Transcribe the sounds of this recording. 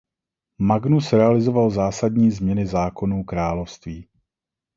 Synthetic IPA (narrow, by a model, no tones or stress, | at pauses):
maɡnusɾɛalɪzo̞valzaːsadɲiːzmɲɛnɪzaːko̞nuːkɾaːlofst̪viː